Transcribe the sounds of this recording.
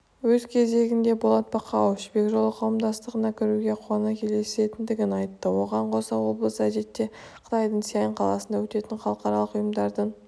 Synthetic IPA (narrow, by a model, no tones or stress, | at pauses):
wɵzkʲʰe̞ze̞ɡʲɪnd̪e̞bo̞lˠɑt̪̚bɑqɑwɪʃbe̞kʲʒo̞lˠəqʰɑwəmd̪ɑst̪əʁənɑkʲʰɪɾuɡʲe̞qʰwɑnɑkʲʰe̞le̞se̞t̪ɪnd̪ɪɡʲɪnɑjt̪ːəwo̞ʁɑɴqʰo̞sɑwo̞blˠəsəæʒe̞t̪ːe̞qʰə̥t̪ɑjd̪əɴsijɑjɪɴqʰɑlˠɑsənd̪ɑwɵt̪e̞t̪ɪɴχɑlˠəqɑɾɑlˠəqʊjəmd̪ɑɾd̪əɴ